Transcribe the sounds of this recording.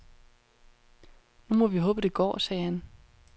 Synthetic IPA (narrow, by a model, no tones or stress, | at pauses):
numɒ̽ʋiɦɔ̽ːb̥əd̥e̝ɡ̥ɒ̰ːsɛːhæn